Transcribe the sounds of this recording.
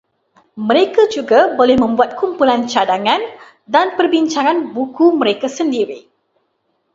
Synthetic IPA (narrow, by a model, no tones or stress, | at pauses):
mə̃ɾekad͡ʒuɡabolɛhmə̃mbuat̪̚kumpulant͡ʃadaŋãn | danpərbiɲt͡ʃaŋãnbukumə̃ɾekasəndiɾi